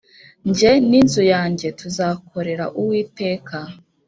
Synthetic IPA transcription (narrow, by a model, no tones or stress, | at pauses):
ɲɟe̞ninzujaːɲɟe̞tuzaːkʰo̞ɾe̞ɾa̰ʔuwiːte̞ːkʰa